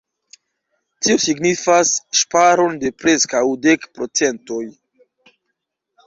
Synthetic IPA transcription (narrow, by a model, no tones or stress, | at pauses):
tiosiɡnifasʃpaɾo̞nde̞pɾe̞skawde̞kpɾo̞t͡se̞nto̞j